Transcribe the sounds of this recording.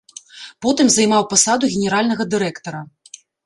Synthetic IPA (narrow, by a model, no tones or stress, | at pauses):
pɔt̪ɨmzɐjmawpasad̪uɣʲɛnʲɛɾalʲnɐɣɐd̪ɨɾɛkt̪ɐɾɐ